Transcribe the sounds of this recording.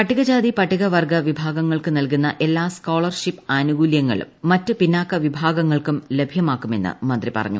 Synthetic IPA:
pɐʈːiɣɐd͡ʑaːd̪ipɐʈːiɣɐʋɐrɡɐʋibʱaːɡɐŋːɐɭkɨnɐlkunːɐʔe̞lːaːskoːɭɐrʂipːɐnuɡuːljɐŋːɐ̰ɭṵmːɐtːɨpinːaːkːɐʋibʱaːɡɐŋːɐɭkumle̞bʱjɐmaːkːume̞nːɨ̰mɐnd̪ripɐ̰rɐ̰ɲːṵ

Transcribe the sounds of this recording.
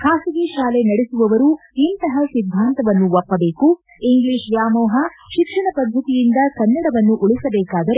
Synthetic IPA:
kʰaːsiɡiʃaːlenɐɽesuʋɐʋɐɾu | int̪ɐɦɐsid̪ʱːaːnt̪ɐʋɐnːuʋɐpːɐbeːku | iŋɡleːʃjaːmɔːɦɐʃikʂɐɳɐpɐd̪ʱːɐt̪ijind̪ɐkɐnːɐɽɐʋɐnːuʔuɭisɐbɛːkaːd̪ɐɾe

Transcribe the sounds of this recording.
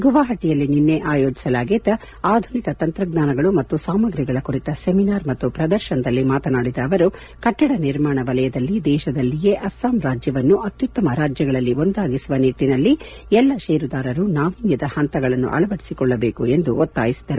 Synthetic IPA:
ɡuʋaːɦɐʈːijɐlːininːe̞ʔaːjo̞ːd͡ʒisɐlaːɡeːt̪ɐ | aːd̪ʱunikɐt̪ɐnt̪ɾɐɡnaːnɐɡɐɭumɐt̪ːusaːmɐɡɾiɡɐɭɐkuɾit̪ɐseminaːɾmɐt̪ːupɾɐd̪ɐɾʃɐnɐd̪ɐlːimaːt̪ɐnaːɽid̪ɐːʋɐɾu | kɐʈːɐɽɐniɾmaːɳɐʋɐlɐjɐd̪ɐlːid̪ɛːʃɐd̪ɐlːije̞ʔɐsaːmɾaːd͡ʒjɐʋɐnːuʔɐt̪jut̪ːɐmɐɾaːd͡ʒjɐɡɐɭɐlːio̞nd̪aːɡisuʋɐniʈːinɐlːi | ɛlːɐʃeːɾud̪aːɾɐɾunaːʋinjɐd̪ɐhɐnt̪ɐɡɐɭɐnːṵʔɐ̰ɭɐʋɐɽisikɔɭːɐbe̞ːkue̞nd̪uʔot̪ːa̰ːjisid̪ɐɾu

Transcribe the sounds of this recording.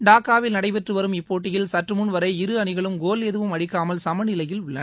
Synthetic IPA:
ɖaːkːaːʋɪlnɐɽɐɪpɛʈrɯʋɐɾɯmɪpːoːʈːɪjɪlsɐʈrɯmʊnʋɐɾɐɪɪɾɯɐɳɪɣɐɭɯmɡoːlɛðɯʋɯmɐɽɪkːaːmɐlsɐmɐnɪlɐjɪlʋɪɭːɐ

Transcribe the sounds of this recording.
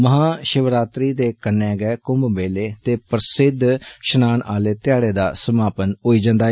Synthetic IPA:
məɦãːʃəʋɾaːt̪ɾiːd̪eːkənːẽːɡɛːkʊmbmeːleːt̪eːpəɾsɪd̪ʱʃənaːnʔaːleːt̪ɪjaːɽeːd̪a̰ːsəmaːpənɦoːiːd͡ʒãːnd̪aː

